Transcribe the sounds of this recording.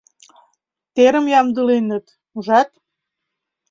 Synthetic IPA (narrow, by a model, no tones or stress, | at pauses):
t̪eɾə̆mjɑmd̪ɯlenə̆t̪ | uʒɑt̪